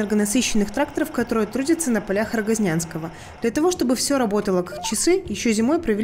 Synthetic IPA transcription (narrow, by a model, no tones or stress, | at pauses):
ɛrɡənɐsɨɕːɪnːɨxt̪ɾak̚t̪əɾəfkɐt̪o̞ɾɨjət̪ɾudʲɪt̪sənəpɐlʲaxəɾɡɐzʲnʲanskəvə | d̪̥lʲɐt̪ɐvoʂt̪o̞bɨfsʲo̞ɾɐbo̞t̪əlˠəkḁk̚t͡ɕɪsɨjɪɕːozʲɪmo̞jpɾəvʲɪlʲ